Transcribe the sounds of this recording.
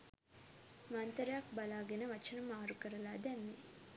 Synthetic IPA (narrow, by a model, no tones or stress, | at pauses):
mant̪ɾɐjak̚balaːɡenəʋɐt͡ʃənɐmaːɾukəɾəlaːd̪ɛmːe